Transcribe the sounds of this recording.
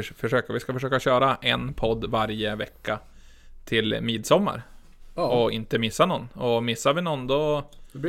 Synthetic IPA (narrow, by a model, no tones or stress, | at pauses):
fœʂøːkəvʋɪskafœʂøːkaɕøːɾaʔɛnpʰɔd̪ːvaɾjəvɛkːa | t̪ʰɪlmiːd̪sɔmːa̰ɾ | ɔɪ̰nt̪əmɪsːanɔnːɔmɪsːaʋɪnɔnd̪ɔ